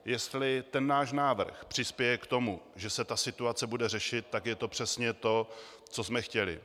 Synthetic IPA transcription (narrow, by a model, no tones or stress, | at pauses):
jɛst̪lɪt̪ɛnːaːʃnaːvr̩xpr̝̥ɪspjɛjɛkt̪o̞muʒɛsɛt̪asɪt̪uat͡sɛbudɛrɛʃɪt̪̚ːakjɛt̪o̞pr̥ɛsɲɛt̪o̞ | t͡sosmɛxcɛlɪ̰